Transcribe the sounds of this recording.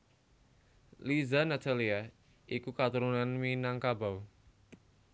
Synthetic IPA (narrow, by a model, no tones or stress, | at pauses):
lizanat̪ʰalia | ʔikukat̪uɾunanminaŋkabaw